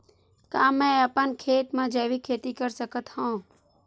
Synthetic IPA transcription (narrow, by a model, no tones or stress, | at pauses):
kaːmẽəpənkʰeːʈ̪mãːd͡ʒeːʋikʰeːt̪ikəɾsəkət̪hõː